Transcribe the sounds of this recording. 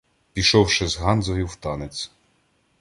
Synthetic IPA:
pʲiʃɔwʃɪzɦɑnzɔjʊwt̪ɑnesʲ

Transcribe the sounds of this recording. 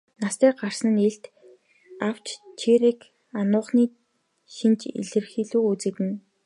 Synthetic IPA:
nast̪eːɢar̥sə̆neɬt̪ | aw̥t͡ɕt͡ɕʰiɾek | anʊːχniː | ʃint͡ɕḭɮɘ̆rxiːɮuːut͡sɘ̆kɘ̆n

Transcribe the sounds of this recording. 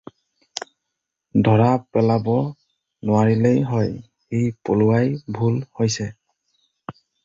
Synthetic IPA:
dʱɔɹapɛlabɔ | nʊwaɹilejɦɔj | hijpolʊwajbʱulhojsɛ

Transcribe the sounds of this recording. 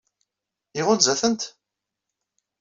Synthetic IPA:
iʁʊzæθənt̪

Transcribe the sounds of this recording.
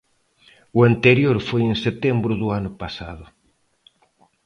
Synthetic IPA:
ʊant̪eɾjoɾfojeŋset̪ɛmbɾʊðʊanʊpasa̰ðʊ

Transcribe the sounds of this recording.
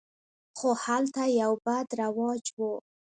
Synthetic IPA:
xohalt̪ajawbad̪ɾawɑd͡ʒwu

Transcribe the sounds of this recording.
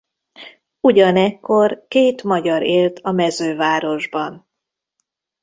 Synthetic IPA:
uɟɒnɛkːo̞rkeːt̪mɒɟɒɾeːlt̪ʰɒmɛzøːvaːɾo̞ʒbɒn

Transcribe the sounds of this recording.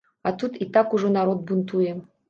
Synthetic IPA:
ɑt̪ut̪it̪ːakuʐonaɾod̪̚bunt̪uje

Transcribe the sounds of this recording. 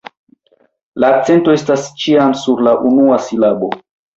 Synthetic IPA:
laːk̚t͡se̞nto̞e̞stast͡ʃiamsuɾlaʔunuasilabo̞

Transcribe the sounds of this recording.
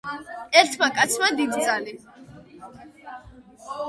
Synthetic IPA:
ɛɾt̪ʰmakʼat̪sʰmad̪id̪izʼali

